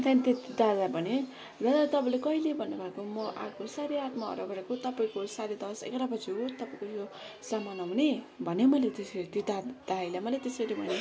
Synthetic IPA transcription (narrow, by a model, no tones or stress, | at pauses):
t̪ʰanit̪et̪id̪ad̪abʱʌne | d͡zʌd̪at̪ʌpãlekʌilebʱʌnːebʱakomʌʔa̰kosaɾiat̪maʌ̰ɾʌɡʌɾekot̪ʌpaĩkosaɾid̪ʌsḛkɾapʌt͡sʰiot̪ʌpaĩkojo | samanaɦune | bʱʌnemʌlet̪eseɾit̪id̪ad̪ajlamʌlet̪esʌɾibʱʌ̰ne